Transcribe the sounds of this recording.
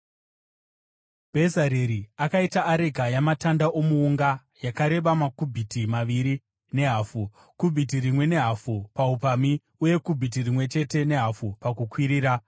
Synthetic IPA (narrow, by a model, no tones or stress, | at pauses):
bʱe̞zaɾeɾiakaitaʔːɾe̞ɡʱajamatandaʔomuːŋɡa | jakaɾe̞ɓamakubʱitimaʋiɾi | ne̞ɦaːfu | kubʱitirimwe̞ne̞ɦafupaupami | uje̞kubʱit̬irimwe̞t͡ʃe̞te̞ne̞ɦafupakukwiɾiːɾa